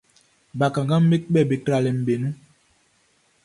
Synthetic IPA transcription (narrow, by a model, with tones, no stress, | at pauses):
ba˨ka˨ŋɡa˦m̩˦be˦k̚ɓɛ˦˨bi˨kɾa˨lɛ˨m̩˨be˨nu˦